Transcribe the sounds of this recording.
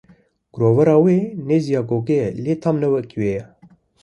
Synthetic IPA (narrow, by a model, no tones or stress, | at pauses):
ɡ̥ɾoːvɐɾɑːweːneːzijɑːɡoːɡɛleːt̪ʰaːmnɛwɛkiweːjɛ